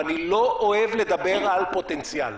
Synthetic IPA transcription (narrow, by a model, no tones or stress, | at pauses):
aniloʔoevled̪abeʁalpot̪ent͡sja̰l